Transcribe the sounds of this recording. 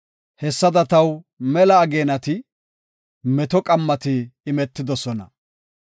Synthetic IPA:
hɛsːɐd̪ɐt̪ɐw | mɛlɐːɡe̞ːnɐt̪ɪ | mɛt̪ɔkʼɐmːɐt̪ɪːmɛt̪ːɪd̪ɔsɔnɐ̰

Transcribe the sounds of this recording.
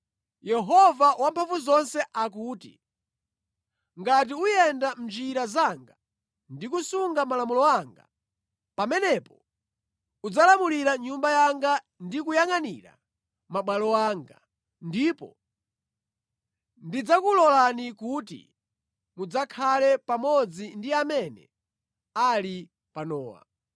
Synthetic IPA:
jɛɦɔvawampʰaɱvuzɔnsɛʔakuːtḭ | ŋɡatiujɛndam̩d͡ʒiɾazaŋɡa | ndikusuŋɡamalamulɔaŋɡa | pamɛnɛpɔ | ud͡zalamuliɾaɲumbajaŋɡa | ndik̬ujaŋanḭɾa̰ | maɓwalɔwaŋɡa̰ | ndipɔ̰ | ndid͡zakulɔlanikutḭ | mud͡zakʰalɛpamɔd͡zindiamɛnɛ̰ | ali | panɔːwa̰

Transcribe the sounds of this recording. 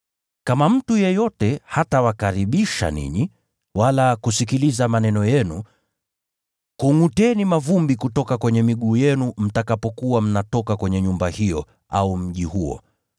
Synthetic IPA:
kamam̩tujɛjɔtɛhatawakaɾiɓiʃa̰nḭɲi | walakusikilizamanɛnɔjɛnu | kuŋutɛnimavumbikutɔkakwɛɲɛmiɠuːjɛnum̩takapɔkuwam̩natɔkakwɛɲɛɲumbahijɔ | a̰um̩ʄihuɔ̰

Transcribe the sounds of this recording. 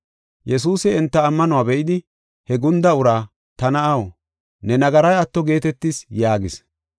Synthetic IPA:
jɛs̬uːsɪɛnt̪ːɐːmːɐnʊwaːbɛʔɪd̪ɪ | hɛɡʊnd̪ɐʊɾaː | t̪ɐnɐɐw | nɛnɐɡɐɾɐjɐt̪ːɔɡe̞ːt̪ɛt̪ːɪsjaːɡɪs

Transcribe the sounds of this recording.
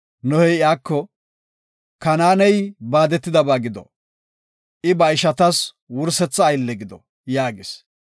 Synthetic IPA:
nɔhɛjɪjaːkːɔ | kɐnaːnɛjbaːd̪ɛt̪ːɪd̪ɐbaːɡɪd̪ɔ̰ | ʔɪbɐɪʃɐt̪ɐs | wʊɾsɛt͡sːɐːjlːɛɡɪd̪ɔ̰ | jaːɡɪs

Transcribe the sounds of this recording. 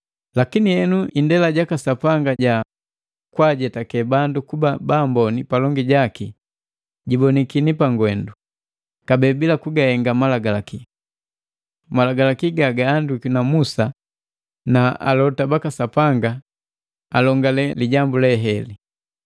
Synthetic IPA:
lakinihɛnuʔindɛlaɟakasapaŋɡaɟa | kwaɟɛtakɛbandukubabaːmbɔnipalɔŋɡiɟaki | ɟibɔnikinipaŋɡwɛndu | kabɛbilakuɡahɛŋɡamalaɡalaki | malaɡalakiɡaɡaːndukunamusa | naa̰lɔtabakasapaŋɡa | alɔŋɡalɛliɟambulɛɦɛli

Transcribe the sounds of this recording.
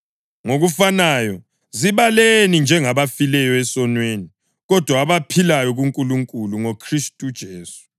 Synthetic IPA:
ŋoɣufanajɔ | ziβalenind͡ʒʱɛŋaβafilɛjɔɛsɔnweːni | ɣɔd̥ʱwaːβapʰilajɔɣuŋkʼuluŋkʼuluŋokʰristʼud̥ʒ̥ʱeːsu̥

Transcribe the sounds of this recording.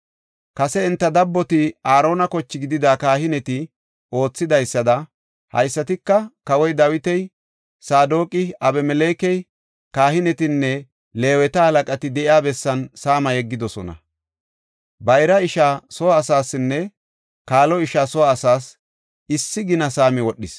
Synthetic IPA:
kɐsɛɪnt̪ːɐd̪ɐbːɔt̪ɪaːɾo̞ːnɐkɔt͡ʃːɪɡɪd̪ɪd̪aːkaːɦɪnɛt̪ɪ | o̞ːt͡sːɪd̪ɐjsːɐd̪ɐ | hɐ̰jsːɐt̪ɪkːɐkɐwɔjd̪ɐwɪt̪ɛj | saːd̪o̞ːkʼɪɐbɛmɛle̞ːkɛj | kaːhɪnɛt̪ɪnːɛ | le̞ːwɛt̪ɐhɐlɐkʼɐt̪ɪd̪ɛʔɪaːbɛsːɐnsaːmɐjɛɡːɪd̪ɔsɔ̰nɐ̰ | bɐjɾɐɪʃaːsɔwaːsaːsɪnːɛ | kaːlɔɪʃaːsɔwaːsaːs | ɪsːɪɡɪnɐsaːmɪwɔɗːɪs

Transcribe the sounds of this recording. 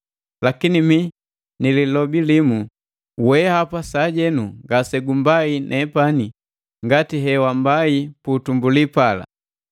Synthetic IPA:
lakinimi | nililɔbilimu | wɛhapasaɟɛnuŋɡasɛɡumbainʔɛpani | ŋɡatiɦɛwambaipuːtumbulipala̰

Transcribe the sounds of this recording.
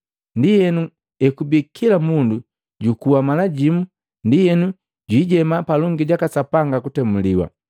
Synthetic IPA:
ndijɛnu | ɛkubikʰilamundu | ɟukuwamalaɟimu | ndijɛnu | ɟwiːɟɛmapalɔŋɡiɟakasapaŋɡakutɛmuliwa̰

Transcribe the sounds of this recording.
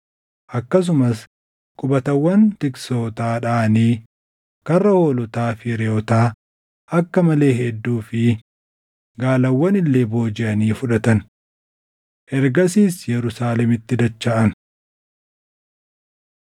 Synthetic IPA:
ʔɐkːɐs̬ʊmɐs | kʼʊbɐt̪ɐwːɐnt̪ɪkso̞ːt̪aːᶑaːniː | kɐrːɐho̞ːlʊt̪aːfɪɾeɔt̪aː | ʔɐkːɐmɐle̞ːɦɛd̪ːuːfɪ | ɡaːlɐwːɐnɪlːeːbo̞ːd͡ʒɪɐniːfʊᶑɐt̪ɐn | ʔɛɾɡɐsiːsjɛɾʊsaːlɛmɪt̪ːɪd̪ɐt͡ʃːaːʔɐn

